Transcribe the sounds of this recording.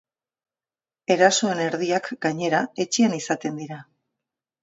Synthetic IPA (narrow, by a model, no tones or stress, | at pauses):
e̞ɾaso̞e̞ne̞ɾðiakɡaɲe̞ɾae̞t͡ʃianisat̪e̞nd̪iɾa